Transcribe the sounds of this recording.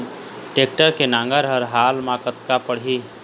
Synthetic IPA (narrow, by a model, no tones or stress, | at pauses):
ʈeːk̚ʈəɾkenãːŋɡəɾɦəɾɦaːlmakət̪kapəɽ̤i